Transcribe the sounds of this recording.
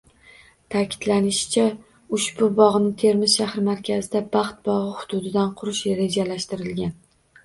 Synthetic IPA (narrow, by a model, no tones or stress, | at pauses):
t̪ʰakʲʰɪ̥d̪lanɪʃɪ̥t͡ʃʰa | ʊʃbʊbɒʁnɪt̪ʰe̞ɾmɪzʃahɾɪmaɾkʲʰazɪd̪abɑχt̪̚bɒʁɨhʊd̪ʊd̪ɪd̪anqʰʊɾɪʃɾe̞d͡ʒalaʃt̪ɪɾɪlɡʲan